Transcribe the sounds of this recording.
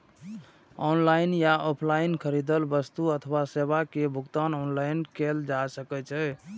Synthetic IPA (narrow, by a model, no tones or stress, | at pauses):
ɔnlainjaʔɔpʰlainkʰəɾid̪əlbəst̪uət̪ʰəwasebakebʱuɡt̪anɔnlainkeld͡ʒasəkɛt͡ʃʰɛ